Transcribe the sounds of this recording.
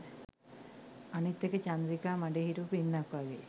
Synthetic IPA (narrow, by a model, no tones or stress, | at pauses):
ɐnit̪ːjɐkɐt͡ɕɐnd̪ɾikːaːmɐɳɖeɦiɾupinːakːaɡḛ